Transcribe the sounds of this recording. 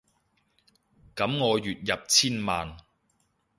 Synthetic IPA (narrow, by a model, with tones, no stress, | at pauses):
kɐ˨˥mŋɔː˨˧jyː˨t̚jɐ˨p̚t͡sʰiː˥nmaː˨n